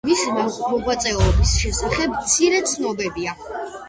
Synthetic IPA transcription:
mismaɔʁwat̪sʼɛɔbisʃɛsaχɛbmt̪sʰiɾɛt̪sʰnɔbɛbia

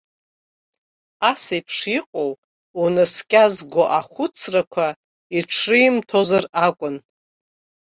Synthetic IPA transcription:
asajpʰʂiqʼow | unɨskʲʼazɡʷoʔaχʷʊt͡sʰrakʷʰa | iʈ͡ʂʰrɨimtʰo̞zarakʷʼʊn

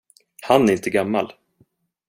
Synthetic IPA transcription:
hanæɾɪnt̪əɡamːal

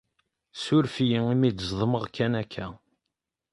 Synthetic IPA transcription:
sʊɾfijəŋimid̪zˤðˤəməʁkːænækʰːæ

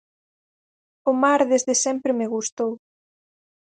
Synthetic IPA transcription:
ʊmaɾðezðɪsɛmpɾɪmeɣust̪ow

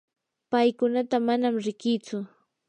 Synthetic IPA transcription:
pajkʊnat̪amanamɾɪkɪt͡sʊ

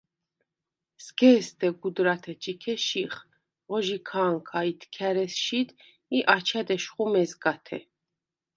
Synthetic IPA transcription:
sɡɛːsd̪ɛɡud̪ɾat̪ʰɛt͡ʃʼikʰɛʃiχ | ʁɔʒikʰaːŋkʰait̪ʰkʰaɾɛsʃid̪ | iʔat͡ʃʰad̪ɛʃχumɛzɡat̪ʰɛ̰

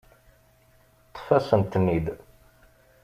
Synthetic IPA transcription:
t̪ˤːfæsənt̪nːid̪

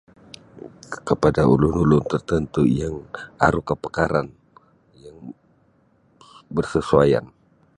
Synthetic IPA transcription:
kəpadaʔṵlunulʊnt̪ərt̪ənt̪ujaŋa̰ɾukəpə̥kaɾan | jaŋ | bərsəsuaja̰n

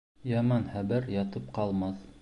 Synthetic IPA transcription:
jɑmɑnhæbɘɾjɑt̪ɤp̚qɑlˠmɑθ

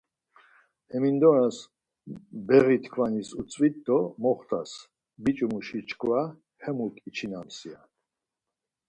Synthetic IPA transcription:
hɛmind̪ɔɾas | bɛʁit̪ʰkʰvanisut͡sʼwit̪d̪ɔmɔχt̪ʰas | bit͡ʃʼumuʃit͡ʃʰkʰva | hɛmukʼit͡ʃʰinamsia

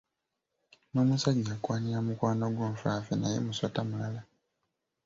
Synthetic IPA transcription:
no̞ːmusaɟakwaːɲiɾamukwaːnoɡwoːmfafenajḛmuswatamulala

